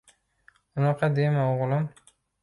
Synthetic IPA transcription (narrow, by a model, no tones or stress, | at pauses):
ʊnɑqʰɑd̪emaoʁlˠɪm